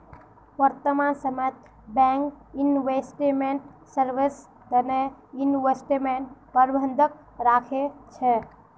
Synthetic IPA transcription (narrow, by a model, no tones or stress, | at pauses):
ʋəɾt̪əmansəmet̪̚ | bɛŋk | inʋesʈemeɳʈsəɾʋis | d̪əneinʋesʈemenpəɾbʱənd̪ʱək̚ | ɾakʰet͡ʃʰɛ